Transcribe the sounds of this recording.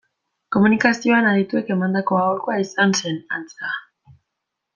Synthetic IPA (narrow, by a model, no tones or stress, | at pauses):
ko̞munikasio̞anaɾit̪ue̞ke̞mand̪ako̞awrkoaisanse̞na̰nt͡sa